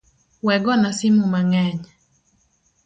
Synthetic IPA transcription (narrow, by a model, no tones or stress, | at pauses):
wɛɡɔnasimumaŋɛɲ